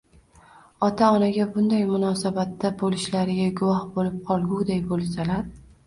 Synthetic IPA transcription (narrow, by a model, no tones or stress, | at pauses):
ɒt̪ʰaɒnaɡʲabʊnd̪ajmʊnɒsabat̪ːabolɪʃlaɾɪɡʲaɡʊwɒhbolɪp̚qʰɒlˠɡʲuwd̪ajbolˠsalaɾ